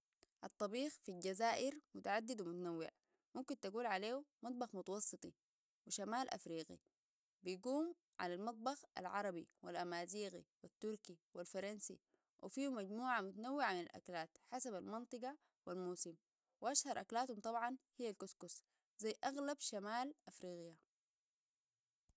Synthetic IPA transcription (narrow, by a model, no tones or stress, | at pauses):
ʔɑt̪ˤːɑbiːxfilɟazaːʔɪɾmʊt̪aʕad̪ːid̪wimut̪anawːɪ̰ʕ | mumkint̪aɡuːlʕaleːumɑt̪̚ˤbɑxmut̪ɑwɑsˤːɨt̪ˤi | wiʃamaːlʔa̰fɾiːɡḭ | bijɡuːm | ʕa̰lalmɑt̪̚ˤbɑxʔa̰lʕɑɾˤɑbḭwilʔamaːziːɣḭwit̪ːuɾkiwilfɑɾˤɑnsḭ | wʔḭfiːhumaɟmuːʕamʊt̪anawːɪʕamina̰lʔa̰klaːt̪ħasabalmɑnt̪ˤɨɡɑ | wilmuːsim | wʔaʃhɑɾˤʔaklaːt̪humt̪ˤɑbʕɑnhijːalkuskus | zajːʔaɣlabʃamaːlʔafɾiːɣija